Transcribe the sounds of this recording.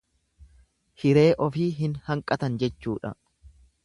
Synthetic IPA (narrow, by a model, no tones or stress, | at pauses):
hɪɾe̞ːʔɔfiːɦɪnhɐŋkʼɐt̪ɐnd͡ʒɛt͡ʃːuːᶑɐ̰